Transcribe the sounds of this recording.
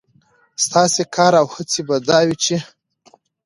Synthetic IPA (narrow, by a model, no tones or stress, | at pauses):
st̪ɑsekʰɑɾawhət͡sebad̪ɑwit͡ʃe